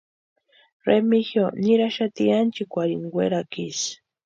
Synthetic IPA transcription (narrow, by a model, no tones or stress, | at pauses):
ɾemixjoniɾaʃat̪iant͡ʃikʷaɾiŋɡweɾakis